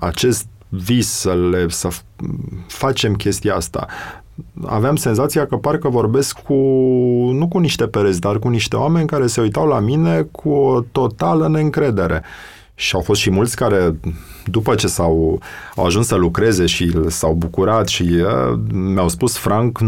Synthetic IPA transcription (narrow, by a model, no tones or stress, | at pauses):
a̰t͡ʃe̞st̪̚vizsəlesə | fat͡ʃe̞mkʲe̞st̪ijaast̪a̰ | a̰veamse̞nzat̪sijakəparkəvo̞rbe̞skːu | nukuniʃt̪e̞peɾes̬ʲd̪arkuniʃt̪e̞oame̞nʲkaɾe̞se̞ujt̪awlamine̞kʰuot̪o̞t̪aləne̞ɨŋkɾe̞d̪e̞ɾe̞̰ | ʃiawfo̞st̪ʃimult̪sʲkaɾe̞ | d̪upət͡ʃe̞sawawaʒunssəlukɾe̞ze̞ʃilsawbukuɾat̪ʃi | meawspusfɾaŋk